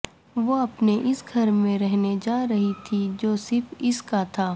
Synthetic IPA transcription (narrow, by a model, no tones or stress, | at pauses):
ʋoɐpneʔɪsɡʱɐɾmẽɾɛɦned͡ʒaːɾɐɦit̪ʰid͡ʒoːsɪɾfɪskat̪ʰaː